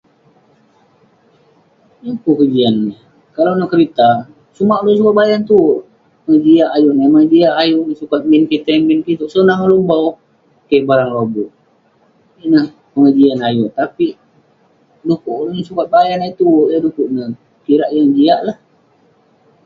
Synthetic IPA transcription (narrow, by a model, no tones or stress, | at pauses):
jakukəd͡ʒianːə | kalawnəhkəɾit̪a | sumaʔlos̬ukat̪̚bajant̪u | pəŋəd͡ʒiaʔajuʔnəməŋd͡ʒiaʔajuʔnəsukat̪̚minkit̪aŋminkit̪uʔsənaŋalombaw | kejbaɾaŋlobu | inəh | pəŋəd͡ʒianajuʔt̪api | dukuʔlnisukat̪̚bajanait̪uadukuʔnəh | kiɾaʔjaŋd͡ʒiaʔlah